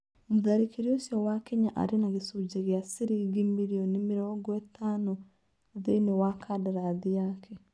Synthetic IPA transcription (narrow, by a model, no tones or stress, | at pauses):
muðaɾikeɾiosjɔwakɛɲaʔa̰ɾenaɣesod͡ʒeɣeasiɾiɡimiɾiɔnemeɾɔɡwɛtanɔ | ðeinewakʰadaɾaðiakʰɛ